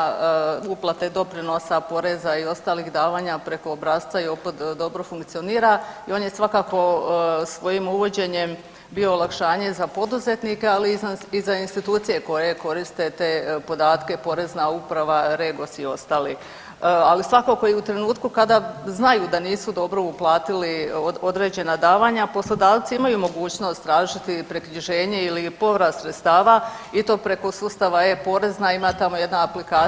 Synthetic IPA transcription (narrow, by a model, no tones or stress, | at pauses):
uplˠat̪e̞d̪o̞pɾino̞sapo̞ɾe̞zaio̞st̪aːliɣd̪aːʋaːɲapɾe̞ko̞ːbɾaːst̪aio̞pot̪d̪o̞bɾofuŋkt̪sio̞niːɾaio̞ːnjesʋakako̞sʋo̞jimuʋo̞d͡ʑe̞ɲe̞m | bio̞ːlˠakʃaːɲe̞zapo̞d̪uze̞t̪nikealiizainst̪it̪uːt̪sije̞ko̞je̞ko̞ɾist̪e̞t̪e̞ːpo̞d̪aːt̪ke̞po̞ɾe̞znaupɾaʋaɾe̞ɡo̞sio̞st̪aːli | alisʋako̞ko̞jiut̪ɾe̞nuːt̪kukad̪aznajud̪aniːsud̪o̞bɾo̞uplˠaːt̪ilio̞d̪ɾe̞d͡ʑe̞nad̪aːʋaɲapo̞slˠo̞d̪aːʋt̪siimajumo̞ɡuːt͡ɕno̞st̪ɾaːʒit̪ipɾekɲiʒe̞ːɲe̞ilipo̞ʋɾasɾet̪st̪aːʋa | it̪o̞ːpɾe̞ko̞sust̪aʋaje̞po̞ɾe̞znaimat̪amo̞jed̪naːplikaː